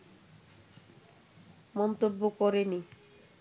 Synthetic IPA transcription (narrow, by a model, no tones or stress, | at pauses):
mɔnt̪obːokɔɾeni